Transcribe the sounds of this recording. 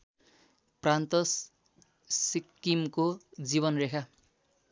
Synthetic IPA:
prant̪ʌs | sikːimkod͡ziβʌnrekʰa

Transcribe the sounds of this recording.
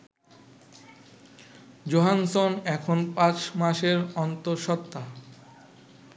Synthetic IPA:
d͡ʑoɦansonɛkʰonpãt͡ɕmaʃeɾɔnt̪oɾʃɔt̪ːa

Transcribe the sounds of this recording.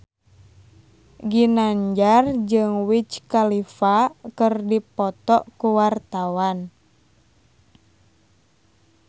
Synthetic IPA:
ɡinaɲd͡ʒard͡ʒɨŋwit͡ʃkalifakərdipɔt̪ɔʔkuwart̪awan

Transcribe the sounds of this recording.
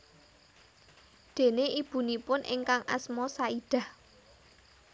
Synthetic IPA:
d̪̥e̤neʔib̥ṳnipʊnʔɪ̰ŋkaŋʔa̰smɔsaid̪̥a̤h

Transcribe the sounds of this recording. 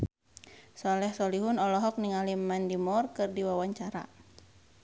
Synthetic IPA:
sɔlɛhsɔliɦunɔlɔɦɔk̚niŋalimandimɔrkɨrdiwawaɲt͡ʃaɾa̰

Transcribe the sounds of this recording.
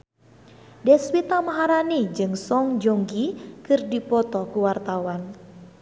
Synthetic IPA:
dɛswit̪amaɦaɾanid͡ʒɨŋsɔŋd͡ʒoŋɡikɨrdipɔt̪ɔkuwart̪awan

